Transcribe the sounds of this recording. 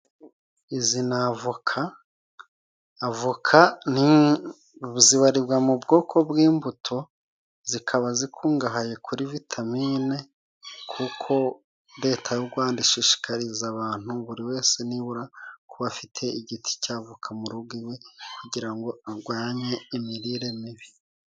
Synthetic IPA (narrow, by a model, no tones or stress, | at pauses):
izinavukʰa | vukʰani | ziβaɾibɡwamubɡo̞ːkʰo̞bwiːmbutʰo̞ | zikʰaβazikʰuːŋɡaɦaje̞kʰuɾivitʰamiːne̞ | kʰukʰo̞ | ɾe̞ːtʰajuɡwaːndiʃiʃi̥kʰaɾizaβaːn̥huβuɾiwe̞ːse̞niβuɾakuβafitʰe̞iɟitʰi̥caːvukʰamuɾuɡiwe̞kuɟiɾaŋɡo̞aɡwaːɲe̞imiɾiːɾe̞miβi